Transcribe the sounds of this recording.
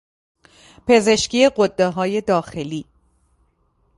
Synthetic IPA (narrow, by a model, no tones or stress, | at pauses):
pʰe̞ze̞ʃciːeɢod̪ːeɦɒːje̞d̪ɒːxe̞liː